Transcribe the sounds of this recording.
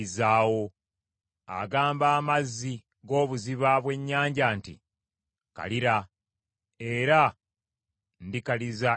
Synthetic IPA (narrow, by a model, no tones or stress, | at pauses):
izaːwo̞ | a̰ɡaːmbaːmazːi | ɡo̞ːβuziβaβwe̞ɲːaːɲɟaːntḭ | ka̰liɾa | e̞ɾa | ndikaliza